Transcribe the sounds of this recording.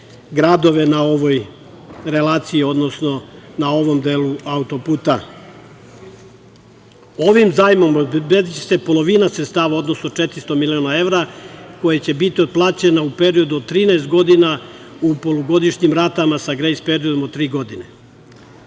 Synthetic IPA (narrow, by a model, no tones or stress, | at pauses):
ɡɾad̪o̞ʋe̞nao̞ʋo̞j | ɾe̞laːt̪sijio̞d̪no̞sno̞nao̞ʋo̞md̪e̞ːluaut̪o̞puːt̪a | o̞ʋimzaːjmo̞mbed̪it͡ɕe̥se̞po̞lo̞ʋinasɾet̪st̪aːʋao̞d̪no̞sno̞t͡ʃet̪ɾist̪o̞milio̞nae̞ʋɾako̞jet͡ɕe̞bit̪iod̪̚plˠaːt͡ɕe̞naupe̞ɾio̞d̪uod̪̚t̪ːɾiːnaest̪̚ɡo̞d̪inaupo̞loɡo̞d̪iʃɲimɾat̪amasaɡɾejspeɾio̞d̪omod̪̚t̪ɾiːɡo̞d̪ine̞